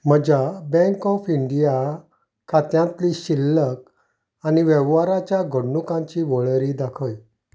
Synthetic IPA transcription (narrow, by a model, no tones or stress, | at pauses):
m̤əd͡ʑabɛ̃ŋkɔfiɳɖija | kʰat̪jãnt̪liɕilːək̚ | aniʋɛʋʋaɾat͡ɕjaɡʱəɽnukãɲt͡ɕiʋɔɭɾid̪akʰəj